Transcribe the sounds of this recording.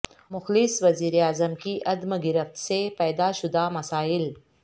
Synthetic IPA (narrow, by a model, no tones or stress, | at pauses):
mʊxlɪsʋɐziːɾeaːzəmkiʔɐd̪mɡɪɾəft̪sepɛːd̪aʃʊd̪amɐsaːɪl